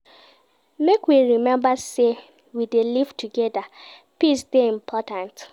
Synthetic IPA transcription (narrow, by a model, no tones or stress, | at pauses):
mekwiɹimɛ̃mbase | widelivtuɡɛda | pisdeĩm̩pʰɔtãnt